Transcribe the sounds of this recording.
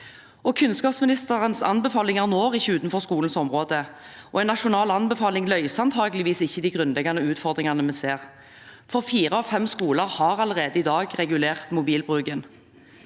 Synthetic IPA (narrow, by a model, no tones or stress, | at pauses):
ɔkʰʉnskɑːpsmɪnɪst̪əʁənsɑ̰nbɛfɑːlɪŋæʁnoːʁɪçːəʉːt̪nfɔʁskuːln̩sɔmʁoːd̪ə | ʔɔɛnɑʃʊnɑːlɑnbɛfɑːlɪŋlœʏsɑnt̪ʰɑːɡəlɪʋiːsɪçːəd̪ɪɡʁʉnlɛɡɑnəʉːt̪fɔʁd̪ʁɪŋɑnəmɛnseːʁ | fɔʁfiːʁəɔfɛmskuːləʁhɑʁɑləʁeːd̪əɪd̪ɑːɡʁɛɡʉleːʁt̪mʊbiːlbʁʉːɡən